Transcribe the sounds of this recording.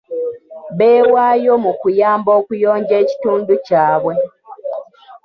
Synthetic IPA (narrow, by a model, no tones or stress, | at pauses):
βeːwaːjo̞mukujaːmbo̞ːkujo̞ːɲɟe̞ːci̥tuːnducaːβwe̞